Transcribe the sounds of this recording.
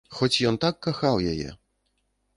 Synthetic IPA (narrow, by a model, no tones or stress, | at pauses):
xɔt͡sʲjɔnt̪akːaxawjajɛ̰